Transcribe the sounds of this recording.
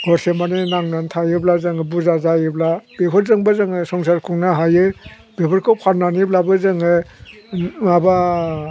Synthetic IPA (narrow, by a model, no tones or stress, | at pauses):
ɡ̥ɔɾsemanenaŋnantʰajɯblazɯŋɯbuzazajɯblab̥epʰɔɾzɯŋbɯzɯŋɯsɔŋsaɾkʰuŋnaɦajɯ | bebɯɾkʰɯwpʰaɾnaniblabɯzɯŋɯ | maba